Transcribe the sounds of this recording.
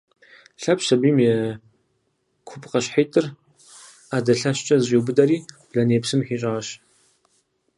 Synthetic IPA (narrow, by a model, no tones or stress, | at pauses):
ɬɐpʃɐbiːmeː | kʷʰʊpʼqɐɕħetʰʼɨr | aːdɐɬɐɕt͡ʃʼɐzʼiwbɨdɐɾiːb̥ɮɐneːpsɨmħiːɕʼaːɕ